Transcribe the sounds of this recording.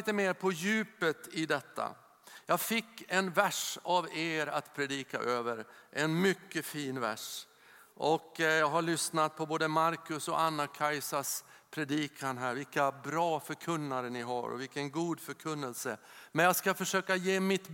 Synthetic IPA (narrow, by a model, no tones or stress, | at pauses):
t̪əmeːɾpʰɔjʉ̟ːpət̪ɪd̪ɛt̪ʰːa̰ | jɑːɡfɪkːɛnvæʂaveːɾa̰t̪pʰɾɛd̪iːka̰ʔøːvəɾʔɛnmʏkːəfiːnvæ̰ʂ | ʔɔkjɑːɡɦaɭʏsnat̪̚pʰɔboːd̪əmaɾkɵsɔʔanːakʰajsaʂ | pʰɾɛd̪iːkʰanɦæːɾvɪlkabɾɑːfœɾkʰɵnːaɾənɪɦa̰ɾɔ̰vɪlkːənɡuːd̪fœɾkʰɵnːəlsəmɛnjaːskafœʂøːkajeːmɪt̪